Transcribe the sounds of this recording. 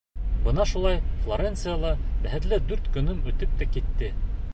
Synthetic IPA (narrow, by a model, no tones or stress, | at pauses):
bɤ̆nɑʃulˠɑjflˠoɾʲent̪sɨjalˠɑbæɦɘ̆t̪lɘd̪ʉɾt̪kɵ̆nɵmʉt̪ɘp̚t̪ækit̪ːɘ